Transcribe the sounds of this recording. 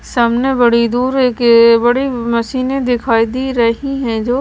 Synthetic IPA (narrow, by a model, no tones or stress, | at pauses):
saːmnebɐɽid̪uːɾekbɐɽimɐʃiːned̪ɪkʰaːid̪iɾɐɦiɦɛ̃d͡ʒoː